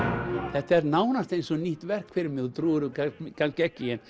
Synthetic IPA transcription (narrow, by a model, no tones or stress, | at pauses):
θɛht̪aɛɾnaːwnast̪ejnsɔniht̪vɛr̥kʰvɪɾɪmɪðut̪ɾuːɾʏkakʰanscɪɛhcːɪjɛn